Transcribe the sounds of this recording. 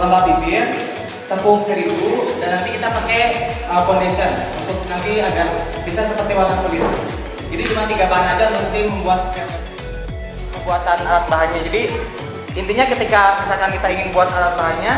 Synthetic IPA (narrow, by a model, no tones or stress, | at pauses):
ləmbabibɪr | t̪əpʊŋt̪əɾibudanːant̪ikit̪apakɛəpondisiənunt̪ʊk̚nant̪iada | bisasəpərt̪iwat̪anponisi | d͡ʒadit͡ʃumant̪iɡabaɦanadamənt̪ɪməmbuat̪̚ka | məbuat̪analat̪̚baɦaɲad͡ʒadi | int̪iɲakət̪ikabisakankit̪aiŋɪnbuat̪alat̪̚baɦaɲa